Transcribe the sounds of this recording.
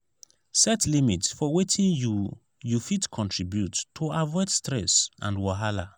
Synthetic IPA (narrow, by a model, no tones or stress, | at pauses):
sɛtlimitsfɔwetʰĩnju | jufitkʰɔ̃ntʰɹibjutʰːoavɔɪdstɹɛsã̰ndwɔɦala